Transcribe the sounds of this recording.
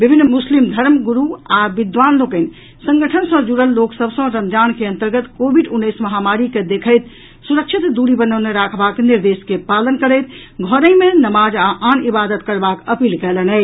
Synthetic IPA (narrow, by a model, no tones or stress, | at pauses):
bibʱinːmuslimd̪ʱəɾmɡuɾuabid̪ʋanlokəɪn | sə̃ŋɡəʈʰənsə̃d͡ʒuɽəlːoksəbsə̃ɾəmd͡ʒankeə̃nt̪əɾɡət̪kobʱiɖunːəjsməɦamaɾiked̪ekʰəjt̪ | suɾəkt͡ʃʰit̪d̪uɾibənəʊneɾakʰbakniɾd̪eskepalənkəɾəɪt̪ | ɡʱɔɾəɪmenəmad͡ʒaʔanibad̪ət̪kəɾbakəpiːlkɛlənə